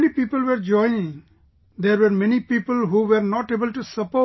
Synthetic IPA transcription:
nipiːpəlʋeɾd͡ʒɔ̃ɪnɪ̃ŋ | d̪eɾʋeɾmɛnipiːpəlɦuʋeɾnɔʈeːbəlʈusəpo

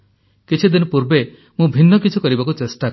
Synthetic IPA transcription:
kit͡ʃʰid̪inɔpuɾbe | mũbʱinːɔkit͡ʃʰukɔɾibakut͡ʃesʈa

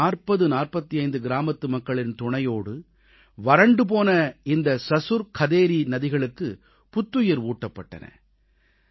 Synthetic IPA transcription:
aːrpɐðɯnaːrpɐt̪ːiɐɪnd̪ɯɡɪɾaːmɐt̪ːɯmɐkːɐɭɪnt̪ʊɳɐjoːɽɯ | ʋɐɾɐɳɖɯp̬oːnɐɪnd̪ɐsɐsʊɾkʰɐðeːɾinɐðɪɣɐɭɯkːɯ | pʊt̪ːʊjɐɾuːʈːɐpːɐʈːɐ̰nɐ̰

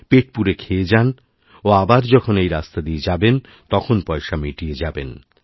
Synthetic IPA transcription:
peʈ̚puɾekʰeed͡ʑan | oabaɾd͡ʑɔkʰonejɾast̪ad̪ied͡ʑaben | t̪ɔkʰonpɔeʃamiʈied͡ʑaben

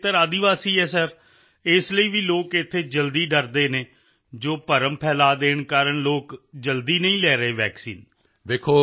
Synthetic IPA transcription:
t̪əɾaːd̪iʋaːsiːɦɛːsəɾ | ɪsləiːʋiːloːkɪt̪ʰːeːd͡ʒəld̪iːɖəɾd̪eːneː | d͡ʒoːpəɾəmpʰɛːlaːd̪eːɳkaːɾəɳloːkd͡ʒəld̪iːnəĩːlɛːɾəeːʋɛːksḭːn | ʋeːkʰoː

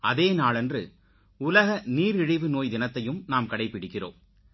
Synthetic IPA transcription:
ɐðeːnaːlɛndrɯ | ʊlɐɣɐniːɾɪɻɪʋɯnoːjd̪ɪnɐt̪ːɐjɯmnaːmkɐɽɐɪpːɪɽɪkːɪro̰ːm

